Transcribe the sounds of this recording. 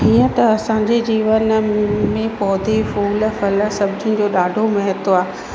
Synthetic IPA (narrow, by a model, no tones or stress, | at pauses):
ɦiːə̃t̪ɐɐsãːɲd͡ʑed͡ʑiːʋənmẽpɔːd̪ʱefuːlfɐlsɐbʱɪd͡ʑɪ̃̆d͡ʑoːɗaːɖʱomɛɦət̪oaː